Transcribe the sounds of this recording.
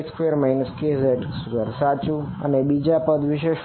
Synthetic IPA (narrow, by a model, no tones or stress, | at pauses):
skʋeəɾmainəskeseʈsuɡəɾsat͡ʃũə̰nebid͡ʒapəd̪ʋɪʃeʃ